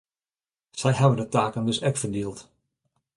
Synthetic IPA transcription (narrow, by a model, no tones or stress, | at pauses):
sɛjɦɛbəndətaːkəndɵsɛkfədiəlˠt